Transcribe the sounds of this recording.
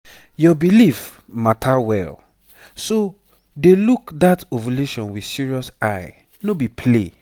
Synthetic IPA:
jɔbilif | matʰawɛ̰l | so | delukdatovuleʃɔ̃nwi̥siɹiɔsaɪ | nobipʰle

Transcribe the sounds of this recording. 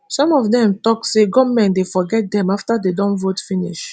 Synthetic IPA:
sɔ̃mɔvdɛ̃mtɔkseɡɔmɛ̃ndefɔɡɛt̚dɛ̃maftadedɔ̃nvotfĩniʃ

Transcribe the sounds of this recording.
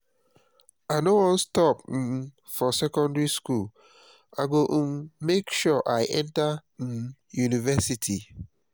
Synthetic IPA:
aɪnowɔ̃nstɔp̩ | fɔsɛkɔ̃ndɹiskul | aɡoʔ̩mmekʃɔʔaɪʔɛ̃ntã | junivɛsitʰi

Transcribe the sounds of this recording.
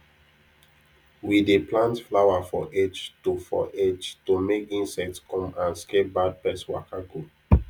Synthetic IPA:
wideplãntflawafɔʔed͡ʒtofɔ̰ʔed͡ʒtomekĩnsɛk̚tskɔ̃mãnskep̚bad̚pɛswa̰kaɡu

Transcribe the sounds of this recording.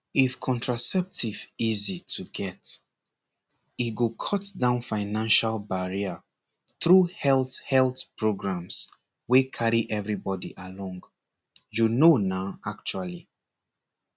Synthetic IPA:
ifkʰɔ̃ntʰɹasɛp̚tʰivizitʰuɡɛt | it̚ɡokʰɔtdãʊ̃nfaɪnãnʃalbaɹia | θɹuhɛlˠthɛlθpʰɹoɡɹãms | wekʰaɹiʔɛvɹibɔdiʔalɔ̃ŋɡ | junonaʊak̚t͡ʃuali

